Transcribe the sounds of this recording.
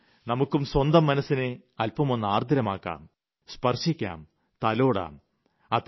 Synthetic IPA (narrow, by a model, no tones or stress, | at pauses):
nɐmukːumswɐnd̪ɐmːɐnɐsːineɐlpːɐmo̞nːaːrd̪ʱiɾɐmaːkːa̰ːm | spɐrʂikʲːa̰ːm | t̪ɐloːɽa̰ːm | ɐt̪